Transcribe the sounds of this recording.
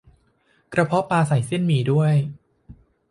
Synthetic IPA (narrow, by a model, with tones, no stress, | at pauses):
kɾa˧pʰɔ˦˥paː˧sa˨˩˦jsi˥˩ənmiː˨˦du˥˩əj